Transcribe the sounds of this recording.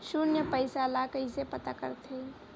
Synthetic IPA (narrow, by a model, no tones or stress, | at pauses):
ʃʊnjəpəɪsalakəɦisepət̪akə̰ɾt̪ʰe